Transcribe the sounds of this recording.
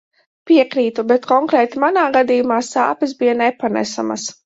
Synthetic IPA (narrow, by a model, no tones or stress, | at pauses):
piɛkɾiːt̪ubɛt̪kɔŋkɾɛːt̪imanaːɡad̪ijumaːsa̰ːpɛsbijanɛpanɛ̰sa̰ma̰s